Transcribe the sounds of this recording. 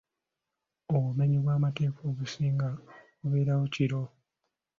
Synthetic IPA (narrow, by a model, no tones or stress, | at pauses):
oβume̞ɲiβwaːmate̞ːko̞ːβusiːŋɡakuβe̞ːɾawociɾo̞